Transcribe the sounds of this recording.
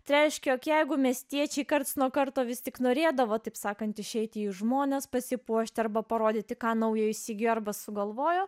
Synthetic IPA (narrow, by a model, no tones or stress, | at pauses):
t̪ɪɾʲɛɪʃʲkʲɛjoːkjɛɪɡʊmʲiɛsʲt̪ʲiɛt͡ʃʲɛɪkɐrt̪snuɔkɐrt̪oːʋʲɪst̪ʲɪknoːɾʲeːd̪ɐʋoːt̪ɐɪpsɑːkɐnt̪ɪʃʲɛɪt̪ʲɪːʒmoːnʲɛspɐsʲɪpuɔʃʲt̪ʲɪɐrbɐpɐɾoːd̪ʲɪːt̪ʲɪkɑːnɐʊjoːɪʃʲsʲiɡʲoːɐrbɐsʊɡɐlˠʋoːjoː